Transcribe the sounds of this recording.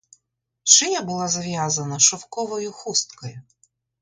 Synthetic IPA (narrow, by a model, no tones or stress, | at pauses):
ʃɪjabʊlˠazɐʋjazɐnɐʃɔwkɔʋɔjʊxust̪kɔjʊ